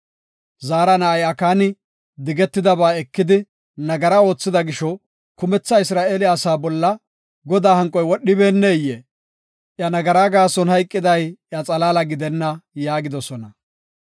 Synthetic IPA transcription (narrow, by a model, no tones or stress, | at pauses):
zaːɾɐnɐɐjɐkaːnɪ | d̪ɪɡɛt̪ːɪd̪ɐβaːɛkːɪd̪ɪ | nɐɡɐɾɐo̞ːt͡sːɪd̪ɐɡɪʃɔ | kʊmɛt͡sːɐɪs̬ɾaːeːlɪːsaːbɔlːɐ | ɡɔd̪aːhɐŋkʼːɔjwɔɗːɪbeːnːɛjeː | ʔjɐnɐɡɐɾaːɡaːsɔnhɐjkʼːɪd̪ɐjjɐt͡sʼɐlaːlɐɡɪd̪ɛnːɐjaːɡɪd̪ɔsɔnɐ